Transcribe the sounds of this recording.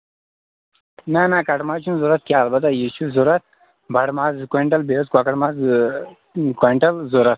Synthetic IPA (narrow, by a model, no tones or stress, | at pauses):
maːnãːkɐʈmaːt͡ʃʰunzuɾɐt̪̚kʲjaːlbɐt̪ajiɕuzuɾɐt̪̚ | bʱɐɽmaːzkeɳʈɐlbezkwaːkɐʈmaːz | keɳʈɐlzuɾɐt̪̚